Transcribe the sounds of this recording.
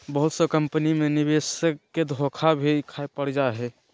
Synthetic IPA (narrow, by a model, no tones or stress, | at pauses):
bəɦut̪səkəmpənimenibesəkːed̪ʱokʰabʱikʰaepəɽd͡ʒaɦɛ